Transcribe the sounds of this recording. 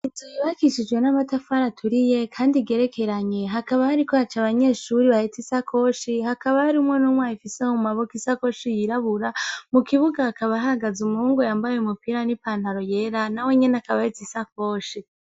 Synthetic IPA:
izujiβakiʃid͡ʒɡwe̞namatafaɾatʰuɾije̞kʰaːndiɡe̞ɾe̞kʰe̞ɾaɲe̞ɦakaβahaɾikohat͡ʃaβaɲe̞ːʃuɾiβahetisakʰo̞ʃihakaβahaɾiumwenumwajifiseumaβokisako̞ʃijiɾaβuɾamukiβuɡaːkaβaɦaɡazumuuːŋɡojambajeumupiɾanipaːn̥haɾo̞je̞ɾanawe̞ɲe̞nakaβahitisako̞ʃi

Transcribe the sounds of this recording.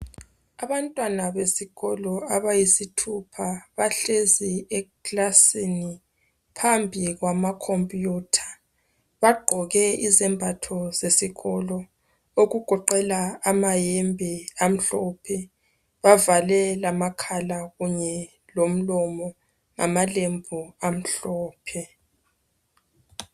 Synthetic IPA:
aβantʼwanaβesiɣɔlɔaβajisitʰupʰaβaɬeziɛkʼlasini | pʰambʱiɣwamakʰompʼjuːtʰḁ | βaɡ͡ǃʱɔɣɛizɛmbʱatʰɔzesiɣɔlɔ | oɣuɡ̥ʱɔǃɛlaːmajembʱiam̩ɬɔpʰɛ | βavalɛlamakʰalaɣuɲɛ | lom̩lɔmɔ | ŋa̰malembʱuam̩ɬɔːpʰɛ

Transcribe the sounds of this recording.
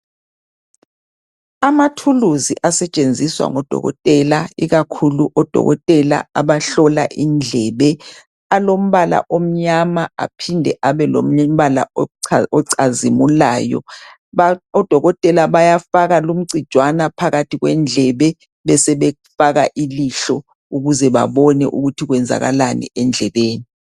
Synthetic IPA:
amatʰuluziʔasɛt͡ʃʼend͡zʱiswa̰ŋɔd̥ʱɔ̰ɣɔ̰tʼɛlaiɣakʰuluʔɔd̥ʱɔ̰ɣɔ̰tʼɛla̰aβaɬɔlaʔind͡ɮʱɛːβɛ | alom̩βala̰ʔom̩ɲamaa̰pʰindʱɛʔaβɛlo̰m̩βala̰ | ɔǀʰazimulaːjɔ̰ | aɔd̥ʱɔɣɔtʼɛlaβajafaɣalum̩ǀid̥ʒ̥ʱwanapʰaɣatʰiɣwɛnd͡ɮʱɛβɛ | βɛsɛβɛufaɣaʔiliɬɔ | uɣuzɛβa̰βɔnɛ̰ʔuɣutʰiɣwɛnd͡zʱa̰ɣa̰lanḭɛnd͡ɮʱɛβeːni

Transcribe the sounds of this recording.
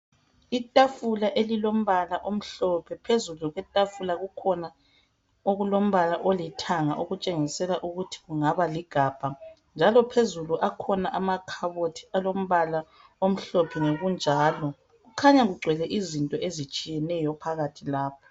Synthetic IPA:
itʼafulaʔelilom̩βalaʔom̩ɬɔpʰɛpʰezuluɣwɛtʼafulaɣukʰɔna | oɣulom̩βalaʔolitʰaŋaʔoɣut͡ʃʼeŋisɛlaʔuɣutʰi̥ɣuŋaβaliɡ̥ʱaːb̥ʱa | nd͡ʒʱalɔpʰezuluʔakʰɔnaʔamakʰaβotʰi̥alom̩βala | om̩ɬɔpʰɛnoɣund͡ʒʱaːlɔ | ɣukʰaɲaɣuɡ͡ǀʱwɛlɛʔizintʼɔʔezit͡ʃʼijɛnɛjɔpʰaɣatʰilaːpʰɔ̥

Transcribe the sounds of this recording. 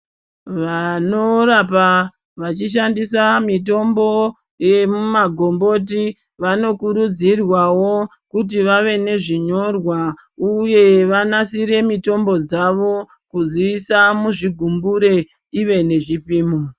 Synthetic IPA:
ʋano̞ɾap̬a | ʋat͡ʃiʃandisamito̞mbo | je̞mumaɡʱo̞mbo̞t̬i | ʋano̞kuɾud͡zirwawo̞ | kut̬iʋaʋe̞ne̞ʐiɲo̞rwa | uje̞ʋanasiɾe̞mito̞mbo̞d͡zaʋo̞ | kud͡ziʋisamuʐiɡʱumbuɾe̞ | iʋe̞ne̞ʐipiːmo

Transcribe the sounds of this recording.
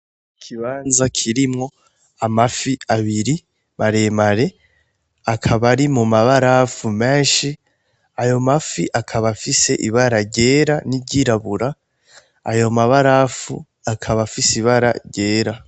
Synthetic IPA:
kʰiβaːnzakʰiɾimŋo̞ | amafiaβiɾi | maɾe̞maɾe̞ | akʰaβaɾimumaβaɾafume̞ːnʃi | ajo̞mafiʔakʰaβafise̞ʔiβaɾaɾɟe̞ːɾaniɟiɾaβuɾa̰ː | jo̞maβaɾafu | akʰaβafisiβaɾa̰ɾɟe̞ːɾa

